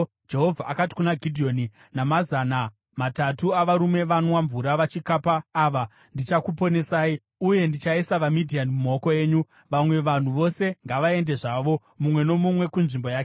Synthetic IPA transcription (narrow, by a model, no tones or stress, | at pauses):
d͡ʒe̞ɦo̞vʱaʔakati̥kunaɡʱidʱio̞ni | namazana | matatuaʋaɾume̞ʋanwaɱvuɾaʋat͡ʃikapaːʋa | ndit͡ʃakupo̞ne̞saːi | uje̞ndit͡ʃaisaʋamidʱianimumaoko̞e̞ːɲu | ʋamwe̞ʋan̤uʋo̞se̞ŋɡaʋae̞nde̞ʐaʋo̞ | mumwe̞no̞mumwe̞kunʐimbo̞jaːke